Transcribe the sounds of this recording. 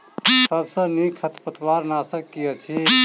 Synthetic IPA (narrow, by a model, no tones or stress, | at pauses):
səbsə̃nikʰət̪pət̪ʰwaɾnasəkːijət͡ʃʰi